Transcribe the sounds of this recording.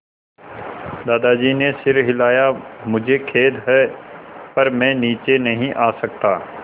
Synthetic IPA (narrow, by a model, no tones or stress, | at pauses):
d̪aːd̪ad͡ʒiːnesɪɾɦɪlaːjamʊd͡ʒʱekʰeːd̪ɦɛːpɐɾmɛ̃niːt͡ʃenɐɦĩʔaːsɐk̚t̪aː